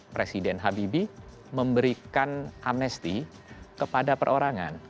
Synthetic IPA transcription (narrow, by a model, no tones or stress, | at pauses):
pɾesidɛnɦabibi | məmbəɾikanʔamnɛst̪ikəpadapə̰rʔoɾaŋa̰n